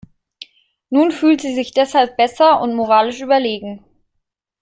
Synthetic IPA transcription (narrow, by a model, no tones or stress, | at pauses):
nuːnfyːltz̥iːzɪçd̥ɛshalp̚b̥ɛsɐʊ̰ntmoʁaːlɪʃʔyːbɐleːɡŋ̩